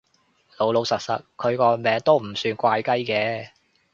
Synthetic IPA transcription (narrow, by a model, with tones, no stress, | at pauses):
lo˨˧wlo˨˧wsɐ˨t̚sɐ˨t̚kʰɵ˨˧ɥkɔː˧mɛː˨˥ŋt̪o˥wm̩˨˩syː˧nkʷaː˧jkɐ˥jkɛː˨˧